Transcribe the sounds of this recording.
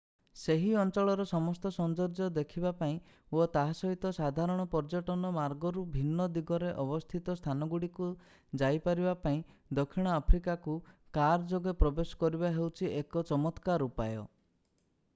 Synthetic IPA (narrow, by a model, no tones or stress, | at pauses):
seɦiɔnt͡ʃɔɭɔɾɔsɔmɔst̪ɔsɔnd͡ʒɔɾd͡ʒɔd̪ekʰibapaĩ | ot̪aɦasɔɦit̪ɔsad̪ʱaɾɔɽ̃ɔpɔɾd͡ʒɔʈɔnɔmaɾɡɔɾubʱinːɔd̪iɡɔɾeʔɔbɔst̪ʰit̪ɔst̪ʰanɔɡuɽiku | d͡ʒajpaɾibapaĩd̪ɔkʰːiɽ̃ɔapʰɾikakukaɾd͡ʒoɡepɾɔbesɔ̥kɔɾibaɦewt͡ʃʰiekɔt͡ʃɔmɔt̪kaɾupajɔ̰